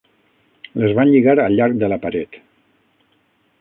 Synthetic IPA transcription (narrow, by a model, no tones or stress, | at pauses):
ləzβanʎiɣaɾəlʎːaɾk̚d̪ələpəɾɛt̪